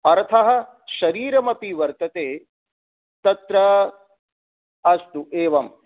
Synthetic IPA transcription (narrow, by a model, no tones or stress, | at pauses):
ɐɾt̪ʰɐɦɐ̆ | ʃɐɾiːɾɐmɐpiʋɐɾt̪ɐt̪eː | t̪ɐt̪ɾɐ | ɐst̪uʔeːʋɐm